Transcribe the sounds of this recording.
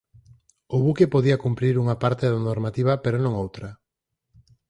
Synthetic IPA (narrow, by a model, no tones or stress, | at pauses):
oβukepoðiɐkumpɾiɾuŋapaɾt̪eðanoɾmat̪iβ̞ɐpeɾonõŋowt̪ɾɐ